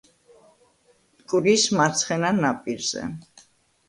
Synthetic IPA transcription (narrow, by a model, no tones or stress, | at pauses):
kʼɾismat̪sʰχɛnanapʼiɾz̥ɛ̰